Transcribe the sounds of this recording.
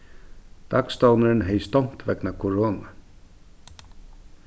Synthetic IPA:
d̪̥akst̪ownəɾnɦejst̪ɔn̥t̪vɛknakʰɔɾoːna

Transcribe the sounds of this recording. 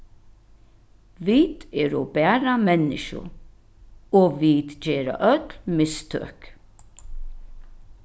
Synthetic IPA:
ʋiːd̪ɛːɾɔbæːɾamɛnːɪ̰ʃʊ̰ | ɔːʋiːd̪d͡ʑeːɾa̰ʔœt̪lmɪst̪ʰø̰ːk

